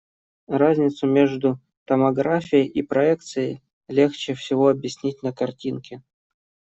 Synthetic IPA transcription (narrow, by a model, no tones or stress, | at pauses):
razʲnʲɪt̪sʊmʲeʐd̪ʊ | t̪əmɐɡɾafʲɪjəjʔipɾɐɛkt̪sɨjəj | lʲext͡ɕɪfsʲɪvoɐbjɪsʲnʲit̚ʲnəkɐrtʲinkʲɪ